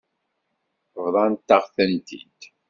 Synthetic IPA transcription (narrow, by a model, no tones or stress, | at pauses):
vðˤɑnt̪ːaʁθænt̪ʰḭd̪̥